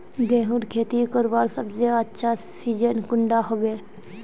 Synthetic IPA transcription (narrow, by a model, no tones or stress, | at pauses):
ɡɛ̃ːɦuɾkʰeːt̪ikəɾʋaːɾsəbzeətːʃʰasiːd͡ʒənkʊɳɖaɦoːbeː